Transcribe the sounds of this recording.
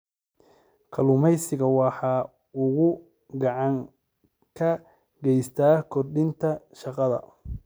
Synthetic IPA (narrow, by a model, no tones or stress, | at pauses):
kʰɐlʊmɛjsɪɣɐwɑħɑː | ʊɣʊ | ɡɑʕɑŋ | kʰɐ | ɡɛjst̪ʰaːkʰɔrɖɪnt̪ʰɐʃɑqɑðɐ̰